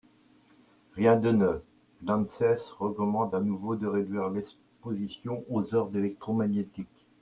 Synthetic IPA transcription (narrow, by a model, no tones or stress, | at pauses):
ʁjɛ̃d̪ənə | lɑ̃nsɛsʁəkɔmɑ̃d̪anuvod̪əʁed̪ɥiʁlɛs | pozisjɔ̃ʔozœʁd̪elɛk̚t̪χomaɲjet̪ik